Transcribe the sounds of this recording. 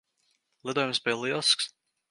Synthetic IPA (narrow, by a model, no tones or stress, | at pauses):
lˠid̪uɔjumsbijlˠilˠsks